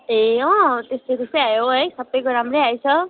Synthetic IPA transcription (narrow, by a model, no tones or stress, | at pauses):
eɔ̃t̪est̪et̪eseajoesɐbəjkoɾamɾeajt͡sʰʌ